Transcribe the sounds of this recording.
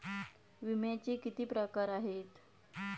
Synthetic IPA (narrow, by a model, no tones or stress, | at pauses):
ʋimjat͡ɕiːkit̪iːpɾəkaɾaɦet̪